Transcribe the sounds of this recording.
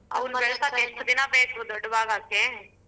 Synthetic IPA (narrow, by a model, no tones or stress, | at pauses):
ɐ̰ʋɐnbɛɭɐsaːɛʂʈɐd̪inɐbeːkud̪ɔɖːɐʋaːɡaːke